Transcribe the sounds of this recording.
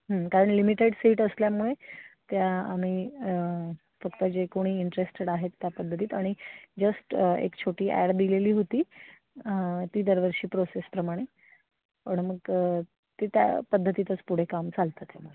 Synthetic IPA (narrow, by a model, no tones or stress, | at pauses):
ɦə̃kaɾəɳlimiʈeɽsiːʈəsljamuɭet̪jaːm̤iː | fəkt̪əd͡ʑekoɽ̃iːiɳʈɾesʈeɽaɦet̪ːjapəd̪ʱət̪iːt̪aɽ̃id͡zəsʈḛkt͡ɕʰoʈiːʔæ̰ɽd̪ileliːɦot̪iː | t̪iːd̪əɾʋəɾɕiːpɾosespɾəmaɽ̃e | pəɳməɡə | t̪et̪ja̰pəd̪ʱːət̪iːt̪ət͡spuɽ̤ekamt͡salt̪at̪jamuɭe